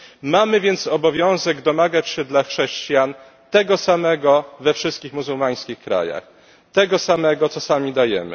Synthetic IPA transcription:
mamɘvʲjɛnt̪sɔbɔvʲjɔ̃w̃zɛɡd̪ɔmaɡat͡ɕɕɛd̪laxʂɛɕt͡ɕijan | t̪ɛɡɔsamɛɡɔvɛfʂɘst̪̚kʲixmuzuwmaj̃skʲixkɾa̰ja̰x | t̪ɛɡɔsamɛɡɔt̪sɔsamʲid̪ajɛmɘ̰

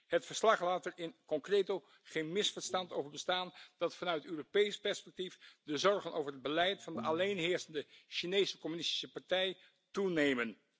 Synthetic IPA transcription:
hətfəɹslɑχlaːtəɹɪnkɔŋkrejto | χejnmɪsfəɹstɑntowvəɹbəstaːnd̥ɑtfɑnœɥtətøːropejspɛɹspɛk̚tifdəzɔɹχənʔo̰wvəɹəd̚bəlɛjtfɑndəʔɑlejnɦɪːɹsəndəʃinejsəkɔmynɪsti̥səpɑɹtɛj | tunejmən

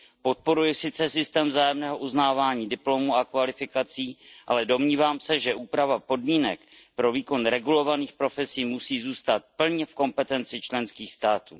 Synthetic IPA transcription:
po̞t̪̚po̞ɾujɪsɪt͡sɛsɪst̪ɛːmvzaːjɛmnɛːɦo̞ʔuznaːvaːɲiːdɪplo̞muakvalɪfɪkat͡siːʔa̰lɛdo̞mɲiːvaːmsɛʒɛʔuːpɾavapo̞dmiːnɛ̰k | pɾo̞viːko̞nɾɛɡulo̞vaniːxpɾo̞fɛsiːmusiːzuːst̪at̪̚pl̩ɲɛfko̞mpɛt̪ɛnt͡sɪt͡ʃlɛnskiːxst̪aːt̪ṵː

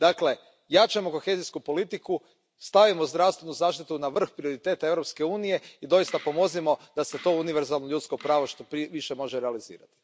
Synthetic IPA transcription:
d̪akle̞ | jat͡ʃamo̞ko̞xe̞ziskupo̞lit̪iku | st̪aʋimozd̪ɾaʋst̪ʋe̞nuzaːʃt̪it̪unaʋr̩xpɾioɾit̪e̞ːt̪ae̞ʋɾo̞pske̞uːnije̞id̪o̞jist̪apo̞mozimo̞d̪ase̞t̪o̞uniʋe̞ɾzalˠnoʎut̪sko̞pɾaːʋo̞ʃt̪opiʋiʃe̞mo̞ʒeɾealizḭːɾa̰t̪i̥

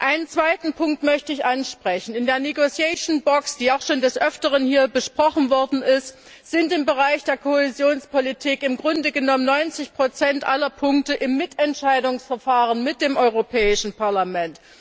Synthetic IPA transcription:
ʔaɪnənt͡sv̥aɪtn̩pʰʊŋk̚tmœçtəɪçʔanʃpʁ̥ɛçn̩ɪndeːɐneɡot͡sjɛʃnbɔksd̥iːaʊxʃoːndɛsʔœftəʁənhiːɐbəʃpʁ̥ɔχn̩vɔɐdn̩ɪst | z̥ɪntɪmbəʁaɪçd̥eːɐkʰoezjoːnspolitʰiːkɪmɡʁʊndəɡənɔmənɔʏnt͡sɪçpʁ̥ot͡sɛntʔalɐpʰʊŋk̚təʔɪmːɪtɛntʃaɪdʊŋsfɛɐfaːʁənmɪt̚d̥eːmʔɔʏʁopʰɛːɪʃn̩paɐlamɛnt

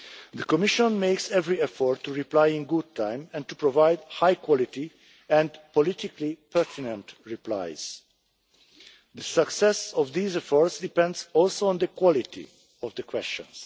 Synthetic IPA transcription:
ðəkɔmɪʃɔ̃nmeɪksɛvɹiɛfɔɹtʰːuɹiplajĩnɡʊd̚tʰãɪ̃mɛ̃ntupɹovaɪdhajkʰwɔliti | ɛ̃ndpɔlɪt̪iklipʰɛɹtʰinə̃ntɹipla̰ɪz̥ | d̪əsəksɛsɔvd̪iːzɛfɔɹtsdipɛ̃ndzɔlsoə̃nd̪əkwɔlitʰḭ | ɔvd̪əkʰwɛst͡ʃɔ̰̃ns

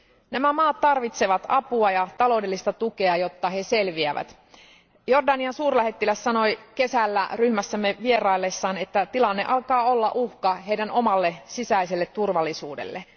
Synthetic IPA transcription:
næmæmɑːt̪t̪ɑrʋit̪se̞ʋɑt̪ɑpuɑjɑt̪ɑlo̞wdelːist̪ɑt̪uke̞ɑjo̞t̪ːɑɦe̞se̞lʋiæʋæ̰t̪ | jo̞rdɑniɑnsuːrlæhet̪ːilæssɑno̞jke̞sælːæ̰ryhmæsːæmːeʋie̞rɑilːesːɑːne̞t̪ːæt̪ilɑnːeʔɑlkɑːo̞lːɑʔuhkɑɦejdæno̞mɑlːe̞sisæiselːet̪ːurʋɑlːisuːdḛlːe

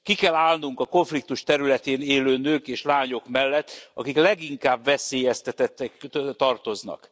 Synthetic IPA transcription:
kikɛlaːlnuŋkɒko̞ɱflik̚t̪uʃt̪ɛɾylɛt̪eːneːløːnøːkeːʃlaːɲo̞kmɛlːɛt̪ːɒ̰kiklɛɡiŋkaːbvɛseːjɛst̪ɛt̪ɛt̪ːɛkt̪ɒrt̪o̞znɒ̰k

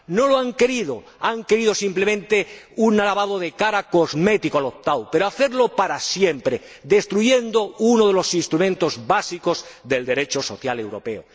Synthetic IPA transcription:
no̞loaŋke̞ɾiðo | aŋke̞ɾið̞o̞simple̞mẽnt̪e̞unalaβaðoðe̞kaɾako̞zme̞t̪ikoalo̞p̚t̪awpe̞ɾoaθe̞ɾlo̞paɾasje̞mpɾe | ðe̞st̪ɾuʝe̞nd̪ounoð̞e̞lo̞sinst̪ɾumẽ̞nt̪o̞zβasiko̞zðe̞ld̪e̞ɾe̞t͡ʃo̞so̞θjale̞wɾo̞pe̞o̰

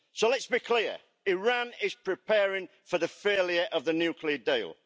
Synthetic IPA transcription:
soʊlɛtsb̥ikʰl̥ɪə | ɪɹãnɪz̥pʰɹ̥ɪpʰɛːɹɪ̃ŋ | fəðəfeɪljəɹʔəvðənjʉːkʰliədiɪlˠ

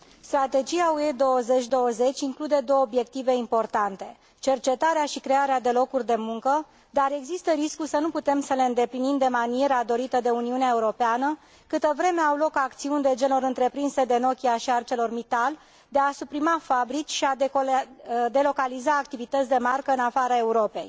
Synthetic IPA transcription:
st̪ɾat̪e̞d͡ʒiaue̞d̪o̞wəze̞t͡ʃʲd̪o̞wəze̞t͡ʃʲiŋklud̪e̞d̪o̞wobje̞k̚t̪ive̞impo̞rt̪ant̪e̞ | t͡ʃe̞rt͡ʃe̞t̪aɾeaʃikɾe̞aɾead̪e̞lo̞kurʲd̪e̞muŋkə | d̪aɾe̞ɡzist̪əɾiskusənuput̪e̞msəle̞ɨnd̪e̞plinimd̪e̞manije̞ɾad̪o̞ɾit̪əd̪e̞uniuneaeuɾo̞peanə | kɨt̪əvɾe̞me̞awlo̞kakt̪siunʲd̪e̞d͡ʒe̞lo̞ɾɨnt̪ɾe̞pɾinse̞d̪e̞no̞kʲiaʃiart͡ʃe̞lo̞rmit̪al | d̪e̞asupɾimafabɾit͡ʃʲʃia | d̪e̞lo̞kalizaːkt̪ivit̪ət̪sʲd̪e̞markəɨnafaɾae̞uɾo̞pe̞j

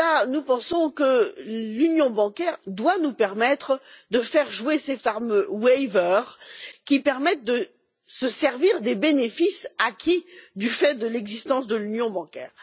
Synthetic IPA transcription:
lanupɑ̃sɔ̃kəlynjɔ̃bɑ̃kʲɛʁd̪wanupɛʁmɛt̪χd̪əfɛʁʒuesefaʁmøwɛvœʁkʲipɛʁmɛt̪̚d̪ə | səsɛʁviʁd̪ebenefisakʲʰid̪yfɛd̪əlɛɡzist̪ɑ̃sd̪əlynjɔ̃bɑ̃kʲɛ̰ːʁ

